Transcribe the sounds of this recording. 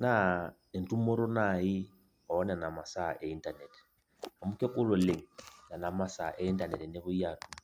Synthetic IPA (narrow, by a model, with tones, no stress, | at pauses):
na˦ | e˨ntʼu˦mɔ˦ɾɔ˦na˨i˦ | ɔ˨ɔ˦nɛ˨na˨ma˨sa̰˦˨ʔɛ˦i˦ntʼa˨nɛ˨tɛ̥ | a˨mu˦kʼɛ˦kʼʊ˦lɔ˨le˨ŋ̩na˨na˨ma˦sa˦˨ʔɛ˦i˦ntʼa˨nɛ˨tɛ˨ne˦βʊ˦jaː˨tʰʼu˦